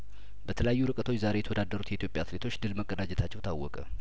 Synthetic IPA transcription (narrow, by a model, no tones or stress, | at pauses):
bət̪ʰələjajːuɾɨkʼət̪ʰo̞t͡ʃːzaɾe̞jɛt̪əwod̪ad̪əɾut̪jɛit̪jopʼːjaːt̪let̪ʰo̞t͡ʃːd̪ɨlməkʼːənad͡ʒɛt̪ʰat͡ʃːɛwt̪ʰawːɔkʼə